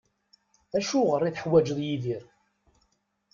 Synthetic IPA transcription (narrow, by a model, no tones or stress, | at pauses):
æʃuʁərːiθəħwæd͡ʒəðˤjiðiɾ